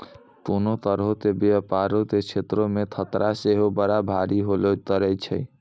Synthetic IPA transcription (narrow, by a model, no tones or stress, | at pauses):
konot̪əɾɦot̪ebeəpaɾot̪et͡ʃʰet̪ɾomet̪ʰət̪ɾʔaseɦobəɾabʱaɾiɦolot̪əɾɛt͡ʃʰə̰j